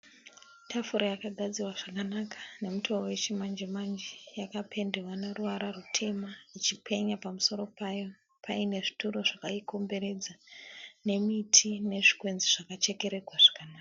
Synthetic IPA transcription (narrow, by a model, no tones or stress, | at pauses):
tʰafuɾojakaɡʱad͡zirwaʐ̥akanakʰḁne̞mutʰoowe̞t͡ʃimand͡ʒemand͡ʒejakapʰe̞ndewaneruʋaɾarutʰe̞mait͡ʃipʰe̞ɲapamuso̞ɾo̞pajo̞ | pʰaine̞ʐituɾo̞ʐakaiko̞mbe̞ɾe̞d͡zane̞mitʰine̞ʐikwe̞nziʐ̥akat͡ʃe̞ke̞ɾe̞ɡʱwaʐ̥ḁkanaːka